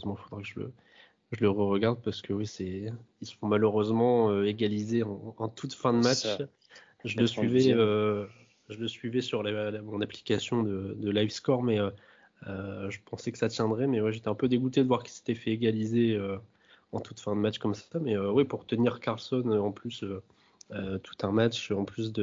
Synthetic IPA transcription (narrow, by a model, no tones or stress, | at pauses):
zmɑ̃fod̪ʁakəʒələ̰ | ʒələʁəʁəɡaʁd̪̚paʁsə̥kəwisɛilsə̥fɔ̃maløʁøzmɑ̃øeɡalizeɑ̃ːt̪ʰut̪fɛ̃d̪əmat͡ʃ | ʒələsɥivɛø | ʒələsɥivɛsyʁlalmɔ̃napli̥kasjɔ̃d̪əd̪əlajvskɔʁmɛø | øʒəpɑ̃sɛkə̥sat̪jɛ̃d̪ʁɛmɛwɛʒet̪ɛɛ̃pød̪eɡut̪ed̪əvwaʁkʲi̥se̥t̪ɛfɛeɡalizeø | ɑ̃t̪ut̪fɛ̃d̪əmat͡ʃkɔmsamɛøwɛpuʁt̪əniʁkaʁlsɔnøɑ̃plysø | øt̪ʰu̥t̪ɛ̃mat͡ʃøɑ̃plys̬d̪ə